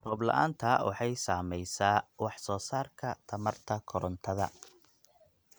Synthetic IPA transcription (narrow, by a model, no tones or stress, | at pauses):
rɔːblɐ̰ʔa̰ːnt̪ʰɐwɑħɑjsaːmɛjsaːwɑħsɔːsaːrkʰɐt̪ʰɐmɐrt̪ʰɐkʰɔɾɔnt̪ʰɐðɐ̰